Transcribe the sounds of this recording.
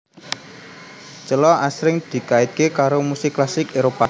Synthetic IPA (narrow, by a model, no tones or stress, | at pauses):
t͡ʃəlɔasɾɪŋd̪̥i̤kaɪt̪̚kekaɾomusɪklasɪkeɾopa